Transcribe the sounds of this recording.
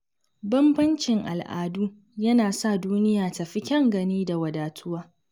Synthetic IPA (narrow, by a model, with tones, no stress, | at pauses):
bɐ˦mbɐ˦nt͡ʃɪ˨ŋʔa̰˨lʔa̰ː˨duː˦ | jɐ˦naː˨sa˦˨duː˦nɪ˦jaː˨tɐ˨ɸi˦kʲɐ˦ŋɡɐ˨niː˦da˨wɐ˨daː˨tʰʊ˦waː˦